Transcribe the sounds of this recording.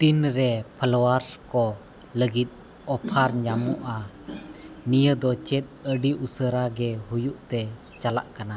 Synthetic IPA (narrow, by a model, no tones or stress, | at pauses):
t̪inɾɛpʰalɔwaɾskɔ | ləɡit̪̚ | ɔpʰaɾɲamuʔa | nijəd̪ɔt͡ʃɛt̪̚əɖiusəɾaɡɛɦujuʔt̪ɛ | t͡ʃala̰ʔkana